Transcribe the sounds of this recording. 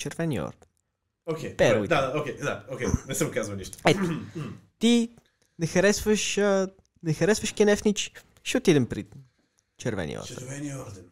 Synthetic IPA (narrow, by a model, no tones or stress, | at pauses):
t͡ʃɛɾvɛniɔ̰ɾd̪ɛn | okepɛɾuid̪ad̪aoked̪a̰okemɛsɛ̃mkazuɐniʃt̪ʊ̥ɛt̪ʊt̪i | nɛxɐɾɛsvəʃə | nɛxɐɾɛsvɐʃkɛnɛfnit͡ʃ | ʃɛʊt̪id̪ɛmpɾḭ | t͡ʃɛɾvɛ̰nḭɔ̰ɾd̪̰vɛnɔɾd̪ɛn